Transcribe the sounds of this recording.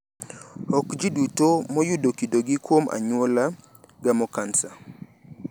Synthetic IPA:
ɔkd͡ʒidutomɔjʊdokidoɡɪkwomʔa̰ɲwola | ɡamɔkansa

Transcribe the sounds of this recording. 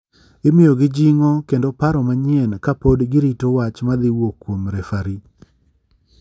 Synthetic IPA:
ɪmɪjoɡɪd͡ʒiŋokendopaɾɔmaɲɪɛnkapodɡɪɾitowat͡ʃmad̪ɪwokːwomɾɛfaɾi

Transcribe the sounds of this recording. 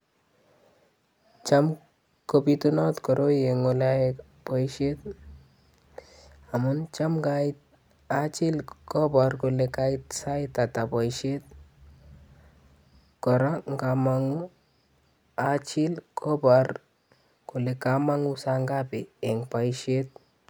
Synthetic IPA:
t͡ʃam | kobit̪unɔt̪kɔɾʔojeŋolae | pɔjʃet̪ | amunt͡ʃamɡa | at͡ʃilkɔbaɾkolekajt̪sajt̪at̪apɔjʃet̪̚ | kɔɾaŋɡamaŋu | at͡ʃilkɔbaɾ | kolekamaŋusaŋɡapeːŋpajʃet̪̚

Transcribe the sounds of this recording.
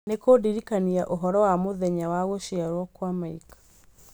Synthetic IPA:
nekodiɾikaniaʔoɦɔɾɔwamoðɛɲawaɣoʃiaɾwɔkwamaikḁ

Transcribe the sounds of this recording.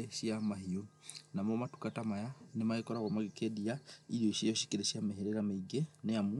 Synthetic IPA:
eʃiamahionamɔmatu̥katamajanemaekɔɾaɣamaɣikediaiɾioiʃejɔʃi̥keɾeʃjameɦeɾeɾameiɡenejamu

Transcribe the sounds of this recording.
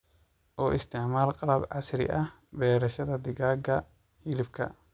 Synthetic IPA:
ʔɔːʔɪst̪ʰɛʕmaːlqɑlɐbʕɑsɾɪ̰ʔɐh | bɛːɾɐʃɐðɐd̪ɪɣaːɡɐ | hɪlɪbkʰɐ̰

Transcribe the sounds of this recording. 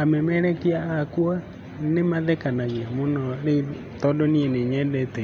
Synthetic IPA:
amɛmɛɾɛkiaakua | nemaðɛkanaɣiamonɔɾe | tɔdɔnieneɲɛdɛtɛ

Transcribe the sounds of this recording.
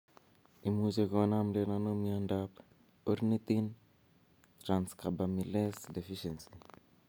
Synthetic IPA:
imuzekwonamdenanomiandap | uɾnit̪in | t̪ɾanskabamilesdefiʃensi̥

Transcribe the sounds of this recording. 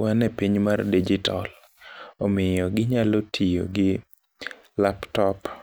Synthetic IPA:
wanɛpiɲmardid͡ʒitɔl | ɔmɪjɔɡɪɲalotʰijo̰ɡɪ | laptɔp

